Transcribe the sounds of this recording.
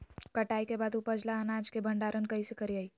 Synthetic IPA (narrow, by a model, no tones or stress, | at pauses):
kɐʈaːikebaːd̪upəd͡ʒlaənaːd͡ʒkebʱəɳɖaːɾənkɐisekəɾiaːi